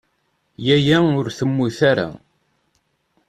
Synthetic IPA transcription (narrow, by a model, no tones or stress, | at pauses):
jæjæʊɾθəmːuθaɾa̰